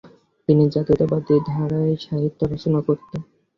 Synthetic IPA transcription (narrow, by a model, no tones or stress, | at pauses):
t̪inid͡ʑat̪it̪abad̪id̪ʱaɾaeʃaɦit̪ːoɾaʃonakoɾt̪e